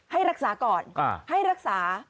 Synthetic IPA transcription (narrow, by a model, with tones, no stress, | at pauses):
ha˥˩jɾa˦˥k̚saː˩˦kɔː˨˩n̰˧˩ha˥˩jɾa˦˥k̚saː˩˦